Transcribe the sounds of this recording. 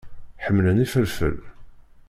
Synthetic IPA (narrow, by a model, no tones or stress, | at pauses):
ħəmːlənifəɾfə̰l